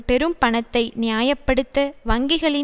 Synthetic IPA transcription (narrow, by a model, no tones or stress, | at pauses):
pɛɾɯmpɐɳɐt̪ːɐɪnɪjaːjɐpːɐɽɯt̪ːɐʋɐŋɡɪɣɐɭɪ